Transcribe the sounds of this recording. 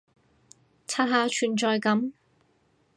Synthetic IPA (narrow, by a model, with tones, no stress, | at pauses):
t͡sʰaː˥t̚ɦaː˧t͡ʃʰyː˨˩nt͡ʃɔː˨jkɐ˨˥m